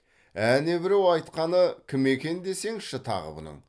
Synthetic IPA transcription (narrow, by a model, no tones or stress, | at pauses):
æne̞bɪɾewɑjt̪qɑnəkʲʰɪme̞kʲe̞nd̪e̞se̞ŋʃɪt̪ʰɑ̰ʁə̰bʊ̰nə̰ɴ